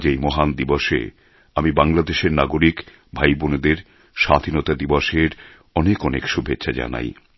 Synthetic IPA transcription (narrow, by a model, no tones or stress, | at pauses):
d͡ʑejmɔɦand̪ibɔʃḛ | amibaŋlad̪eʃeɾnaɡoɾik | bʱajboned̪eɾ | ʃad̪ʱinot̪ad̪ibɔʃeɾ | ɔnekɔnekʃubʱetːʃʰad͡ʑa̰na̰j